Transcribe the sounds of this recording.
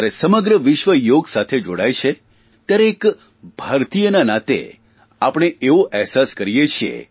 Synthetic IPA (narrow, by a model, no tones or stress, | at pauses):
aɾesəməɡɾəʋɪʃʋəjoɡsat̪ʰed͡ʒoɽajt͡ʃʰe | t̪jaɾeek | bʱaɾt̪ijənanat̪ḛ | apɽ̃eʔeʋoʔɛɦsaskəɾijet͡ʃʰiḛ